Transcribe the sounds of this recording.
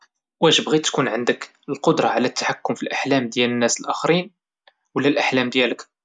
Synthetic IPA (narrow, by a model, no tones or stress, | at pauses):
wæʒəbɣit̪ːkunʕənd̪ək | əlqod̪ɾˤɑʕlæt̪ːḁħakːʊmfilʔaħlæmd̪jælənːæsəlʔæxəɾin | wəlːælʔaħlæmd̪jælək